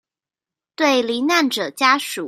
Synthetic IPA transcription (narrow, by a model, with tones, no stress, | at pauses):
t̪we˥˩ɪli˧˥na˥˩nʈ͡ʂɤ˨˩t͡ɕja˥ʂu˨˩